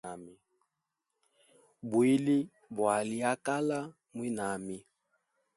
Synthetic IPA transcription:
a˨mi˨ | bwi˦li˦ | bwa˨li˦a˦ka˦la˦ | mwi˦na˨mi˦

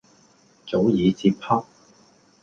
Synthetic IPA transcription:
t͡so˨˥wjiː˨˧t͡siː˧pʰa˥k̚

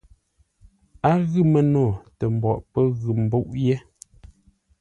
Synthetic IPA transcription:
a˦ɣʉ˦˨mə˨no˨tə˨m˨bɔ˨ʔpə˦ɣʉ˨m̩˨bo˦ʔjɛ˦

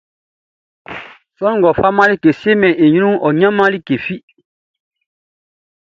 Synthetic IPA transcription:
sɔ̃˦˨ɡɔ˨fa˦mã˦li˦ke˨si˦e˦mɛ̃˨ʔe˨ɲũ˦ũ˦ʔɔ˨ɲã˦mã˦li˦ke˨fi˦

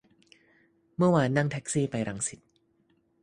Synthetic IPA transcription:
mɯ˥˩ɐwaː˧nːa˥˩ŋt̪ʰɛ˦˥k̚siː˥˩pa˧jɾa˧ŋsi˨˩t̪̚

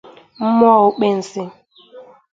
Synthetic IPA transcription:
m̩˦m˦ɔ˦˨ʊ˦k͡pe˦n̩˨sɪ˦

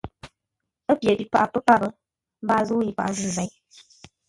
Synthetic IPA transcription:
ə˦pjɛ˨bi˨pa˨ʔpə˦pa˦˨bə˨ | m̩˦ba˦zu˦ji˦pa̰˨ʔzɨ˦˨zɛ˨˦

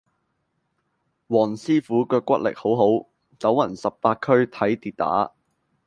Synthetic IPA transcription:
wɔː˨˩nsiː˥fuː˨˥kœː˧kːʷɐ˥t̚lɪ̰˨k̚ho˨˥wɦo˨˥w | t͡sɐ˨˥wɐ˨˩nsɐ˨pːaː˧t̚kʰɵ˥ɥt̪ʰɐ˨˥jt̪iː˨t̚t̪a̰ː˨˥

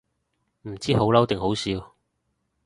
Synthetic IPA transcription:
m̩˨˩t͡siː˥ho˨˥wlɐ˨˥wt̪ɪ˨ŋɦo˨˥wsiː˧w

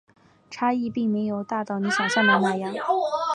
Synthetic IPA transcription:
ʈ͡ʂʰa˥i˥˧pi˥˩ŋme˧˥ɪjo˨˩ʊt̪a˥˧t̪ɑ˥˩ʊni˧˥ɕjɑ˨˩ɕjɑ˥˩ŋmə˧˥na˥˩jɑ˥ŋ

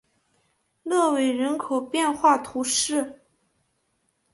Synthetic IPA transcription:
lɤ˥˩we˨˥ɪɻə˧˥nkʰo˨˩ʊpjɛ˥˧nxwa˥˩t̪ʰu˧˥ʂɻ̩˥˩

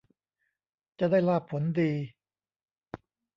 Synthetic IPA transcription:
t͡ɕa˨daː˥˩jlaː˥˩pʰːo˩˦ndiː˧

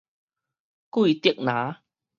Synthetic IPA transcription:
kwu˥˧˨t̪i˥˨ək̚nã˨˦

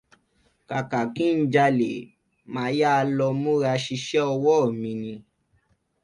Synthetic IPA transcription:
ka˨ka˨kĩ˦n̩˦d͡ʒa˧le˨ | mã˨˧˦ja˦˧lɔ˧mũ˦ɾa˧ʃi˧ʃɛ˦ɔ˧wɔ˦˨mĩ˧nĩ˧

